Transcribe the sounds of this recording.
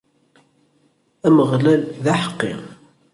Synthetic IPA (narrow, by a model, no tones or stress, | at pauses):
æməʁlælðaħə̥qːḭ